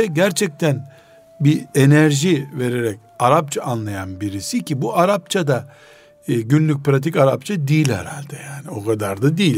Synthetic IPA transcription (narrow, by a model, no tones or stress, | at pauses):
ɛɟæɾt͡ʃʰɛc̚t̪ʰæn | bie̞næɾʒive̞ɾe̞ɾɛc | aɾap̚t͡ʃʰaanlˠajanbiɾisicʰibuʔaɾap̚t͡ʃʰad̪a | ɟynlʲyc̚ʲpɾat̪̬ʰicaɾap̚t͡ʃʰad̪iːlʲhɛ̰ɾa̰lʲd̪ɛjaːnio̞kad̪aɾd̪ad̪iːlʲ